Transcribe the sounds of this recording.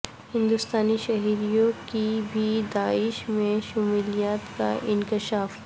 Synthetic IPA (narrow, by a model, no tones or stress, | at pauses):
hɪ̃nd̪ʊst̪aːniʃɐɦiɾijõkibʱid̪aːɪʃmẽʃʊmuːlijaːt̪ka̰ʔɪ̃nkɪʃaːf